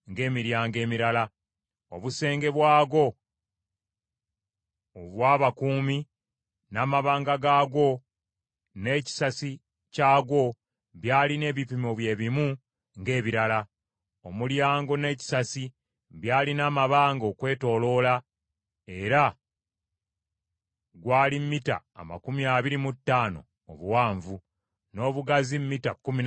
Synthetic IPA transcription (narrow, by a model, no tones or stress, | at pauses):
ŋɡe̞ːmiɾjaːŋɡe̞ːmiɾala | oβuse̞ːŋɡe̞βwaːɡo̞ | oβwaːβakuːmi | naːmaβaːŋɡaɡaːɡo̞ | ne̞ːci̥sasi | caːɡwo̞ | βjaːline̞ːβipimoβje̞ːβimu | ŋɡe̞ːβiɾala | o̞muljaːŋɡo̞ne̞ːci̥sasi | βjaːlinaːmaβaːŋɡo̞ːkwe̞ːto̞ːlo̞ːla | e̞ɾa | ɡwaːlimːita̰ːma̰kumiaːβiɾimutːaːno̞̰ːβuwaːɱvu | no̞ːβuɡazimmitakumi